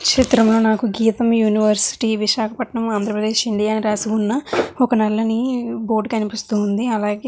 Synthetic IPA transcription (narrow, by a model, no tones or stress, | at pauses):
kʂit̪ɾɐmlo̞ːnaːkuɡiːt̪ɐmjuːniʋɐɾsi̥ʈiːʋiʃaːkʰɐpɐʈɳɐmaːnd̪ʱɾɐpɾɐd̪e̞ːʃiɳɖijaːniɾaːsiunːɐɔkɐnɐlːɐnibo̞ːɾɖkɐnipist̪uːnd̪iɐlaːɡeː